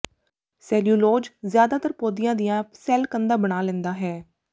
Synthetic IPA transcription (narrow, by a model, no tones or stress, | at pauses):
sɛːljuːloːd͡ʒzjaːd̪aːt̪əɾpoːd̪ijãːd̪ijãːsɛːlkənd̪aːbəɽaːlɛ̃nd̪aːɦɛː